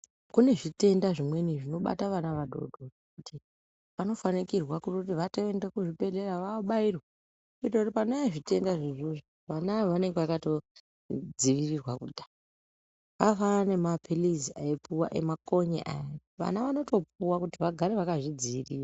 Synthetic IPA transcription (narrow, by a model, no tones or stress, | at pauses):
kune̞ʐite̞ndaʐimwe̞niʐino̞ɓa̰taʋanaʋaɗʱo̞̰dʱo | kutʰi | ʋano̞fanikirwakurut̬iʋato̞endekuʐibe̞de̞ɾaʋaoɓairwa | kitotpanoaʐite̞ndaʐiʐuʐo | ʋanaʋane̞ŋɡeʋakato̞ | d͡ziʋirirwakudʱḁ | kafane̞mapʰiliziaipuwa̰ʔe̞̰mako̞ɲḛʔa̰ja | ʋa̰naʋano̞to̞puwakutiʋaɡʱaɾe̞ʋakaʐid͡ziʋirira